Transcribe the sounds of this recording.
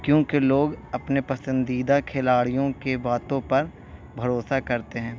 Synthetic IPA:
kjõːkeloːɡɐpnepɐsə̃nd̪iːd̪akʰelaːɽijõkebaːt̪õpɐɾ | bʱɐɾoːsakɐɾt̪eɦɛ̃ː

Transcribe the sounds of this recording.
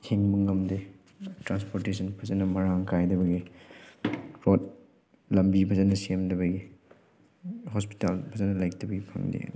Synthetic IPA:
hʰiŋmuŋɐmde | tɾanspoɾtesɐnpʰɐzɐnɐmɐɾaŋkajdɐbɐɡi | kɾot̚ | lɐmbipʰɐzɐnɐsiemdɐbɐɡi | hɔspi̥talpʰɐzɐnɐlajk̚tɐbɐɡipʰɐŋdḭ

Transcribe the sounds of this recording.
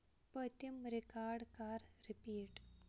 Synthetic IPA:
pət̪imɾikaɾɽkaɾɾipiːʈ

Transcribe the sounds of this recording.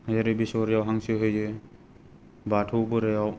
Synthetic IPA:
hjaɾɯbisɔɾjawɦaŋsɯɦɯjɯ | batʰubɯɾejaw

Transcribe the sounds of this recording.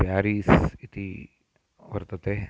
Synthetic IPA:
pjaːɾiːsit̪i | ʋɐɾt̪ət̪e

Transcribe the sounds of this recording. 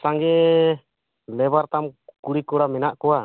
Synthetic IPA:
saŋɡɛ | lɛbaɾt̪amkuɽikɔɽamɛnaʔkɔwa

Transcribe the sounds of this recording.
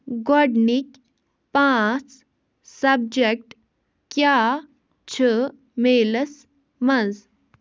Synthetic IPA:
ɡɔɖnik | pãːt͡s | sɐb̚d͡ʒek̚ʈ | kjaː | t͡ʃʰə | meːləs | mɐnz

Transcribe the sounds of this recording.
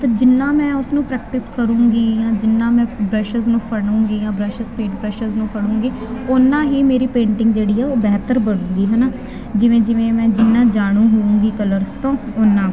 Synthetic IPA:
t̪aːd͡ʒɪnːãːmɛ̃ːʊsnũːpɾɛːk̚ʈɪskəɾũːɡiːjãːd͡ʒɪnːãːmɛ̃ːbɾəʃəznũːpʰəɽũːɡiːjãːbɾəʃəspeːʈpɾɛʃəɾznũːpʰəɽ̃ũːŋɡiːʊnːãːɦiːmeːɾiːpẽːɳʈɪ̃ŋɡd͡ʒeːɽiːɛːoːbɛːt̪əɾbəɽ̃ũːŋɡiːɦɛːnaː | d͡ʒɪʋẽːd͡ʒɪʋẽːmɛ̃ːd͡ʒɪnːãːd͡ʒaːɽ̃ũːɦoũːŋɡiːkələɾst̪õːʊnːãː

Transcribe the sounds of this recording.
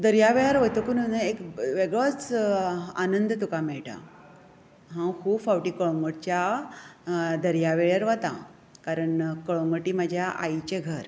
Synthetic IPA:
d̪əɾjaʋeɭjaɾʋət̪okunənaekʋeɡɭot͡s | a̰nənd̪t̪ukamɛɭʈa̰ | ɦãwkʰuːbfawʈiːkəɭõŋɡəʈt͡ɕja | d̪əɾjaʋeɭjaɾʋat̪a̰ | kaɾəɳkəɭõŋɡəʈiːmad͡ʑʱjaʔa̰jt͡ɕeɡʱəɾ

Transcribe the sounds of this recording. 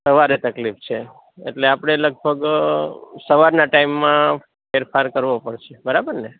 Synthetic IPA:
səʋaɾet̪əklift͡ʃʰe | ḛʈleapɽ̃eləɡ̚bʱəɡ | səʋaɾnaʈaimːã | feɾfaɾkəɾʋopəɽʃebəɾabəɾne

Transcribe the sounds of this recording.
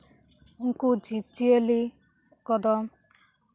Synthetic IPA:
uŋkud͡ʒib̚t͡ʃieli | kɔd̪ɔm

